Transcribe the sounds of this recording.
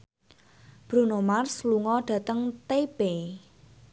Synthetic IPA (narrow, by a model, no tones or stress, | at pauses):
b̥ɾunomarsluŋɔɖ̥ä̤t̪əŋt̪eb̥e